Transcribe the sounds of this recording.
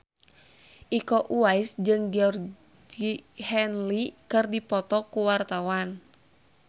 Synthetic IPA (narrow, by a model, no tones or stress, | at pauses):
ʔikɔʔuaisd͡ʒɨŋɡiɔr | ihɛnlikɨrdipɔt̪ɔkuwart̪awan